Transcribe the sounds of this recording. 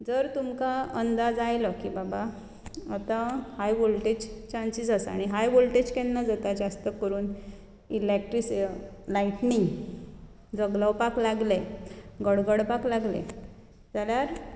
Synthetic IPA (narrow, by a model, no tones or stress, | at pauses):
d͡zəɾt̪umkaənd̪ad͡zajlɔkibaba | ət̪ahajbolʈed͡ʑt͡ɕansisəsa̰ɽ̃iɦajbolʈed͡ʑkɛnːad͡zat̪ad͡zast̪əkəɾuːn | ilek̚ʈɾislaiʈniŋɡ | d͡zəɡləwpaklaɡleɡəɽɡəɽpaklaɡlḛ | d͡zaljaɾ